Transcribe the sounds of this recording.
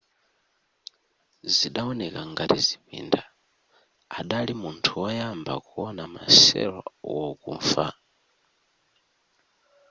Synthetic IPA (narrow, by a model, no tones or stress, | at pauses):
ziɗaɔnɛkaŋɡatizipḭndaː | ɗalimuntʰuwɔjamba̰kuɔnama̰sɛ̰ɾɔ̰wɔkṵɱfa̰